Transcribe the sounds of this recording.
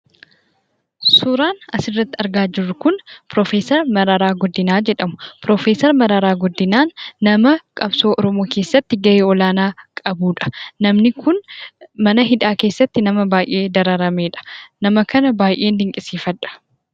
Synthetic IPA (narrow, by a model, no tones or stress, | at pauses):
sʊɾaːnɐsɪrːɐt̪ːɪɐɾɡaːd͡ʒɪrːʊkʊnpɾoːfeːsɐɾmɐɾɐɾaːɡɔd̪ːɪnaːd͡ʒɛᶑɐmʊ̥pɾoːfe̞ːsɐɾmɐɾɐɾaːɡɔd̪ːɪnaːnːɐmɐkʼɐbso̞ːʔɔɾɔmoːkeːsːɐt̪ːɪɡɐeːɔlaːnaːkʼɐbuːᶑɐ̥nɐmnɪkʰʊnmɐnɐɦɪᶑ̪aːke̞ːsːɐt̪ːɪnɐmɐbaːjʔe̞ːd̪ɐɾɐɾɐme̞ːᶑɐ̥nɐmɐkɐnɐbaːjʔe̞ːnd̪ɪŋkʼɪsiːfɐᶑɐ̥